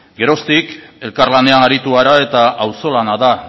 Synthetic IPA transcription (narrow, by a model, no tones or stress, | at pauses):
ɡe̞ɾo̞st̪ike̞lkarlane̞anaɾit̪uaɾae̞t̪aawso̞lanaða